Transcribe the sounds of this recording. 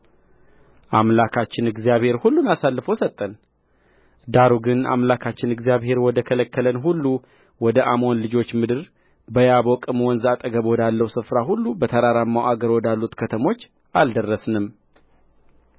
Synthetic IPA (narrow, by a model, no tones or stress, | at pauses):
ʔamlakʰat͡ʃːɪnɨɡzijaβhe̞ɾhulːunasalːɨfəwsət̪ʼːən | d̪aɾuɡɨna̰mlakʰat͡ʃːɪnɨɡzijaβhe̞ɾwɔd̪əkʰələkʰːələnɦulːu | wɔd̪əʔamonlɨd͡ʒo̞t͡ʃːmɨd̪ɨɾ | bəjabokʼɨmwɔnzat̪ʼəɡəβwɔd̪alːəwsɨfɾahulːubət̪ʰəɾaɾamːawaɡəɾwɔd̪alːut̪kʰət̪ʰəmo̞t͡ʃː | ʔald̪ərːəsnɨm